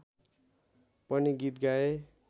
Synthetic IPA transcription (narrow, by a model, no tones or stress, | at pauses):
pʌniɡit̪ɡae